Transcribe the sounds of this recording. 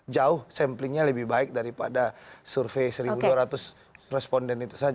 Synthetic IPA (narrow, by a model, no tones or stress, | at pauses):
d͡ʒaʊhsɛmplɪŋɲaləbɪhbaɪk̚daɾipadasurfesəɾibuduaɾat̪ʊs | rɛspɔndɛnit̪u̥sad͡ʒa